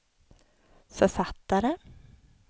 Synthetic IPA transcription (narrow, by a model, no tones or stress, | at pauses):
fœfat̪ːaɾə